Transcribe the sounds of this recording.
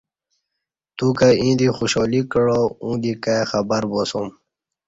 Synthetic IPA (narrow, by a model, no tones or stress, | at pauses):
t̪ukaĩd̪ixuɕɔːlikəɻoũːd̪ikaxabəɾbosom